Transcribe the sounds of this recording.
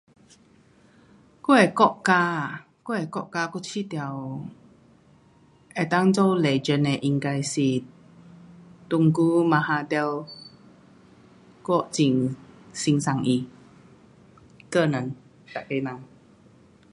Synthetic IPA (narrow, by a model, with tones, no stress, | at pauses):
ku˦ɛ˨kɔ˦ʔka˧ | ku˦ɛ˨˩kɔ˦ʔka˧ku˦˧˦t͡ɕʰi˦˨t̪ja˨w | ɛ˨t̪a˧˦ŋt͡so˦˧wlɛ˨d͡ʒə˧˨nɛ˨ʔi˧ŋka˧jsi˨˩ | t̪u˧ŋku˦ma˧ha˧t̪ɛ˧w | kɔ˦ʔt͡ɕi˨ŋsi˧ŋsa˨ŋʔi˧ | kə˧˨nə˨n | t̪a̰˨ke˧nã˨ŋ